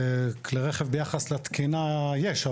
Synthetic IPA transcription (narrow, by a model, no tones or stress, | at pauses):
kleʁeχevbejaχaslet̪kinajeʃa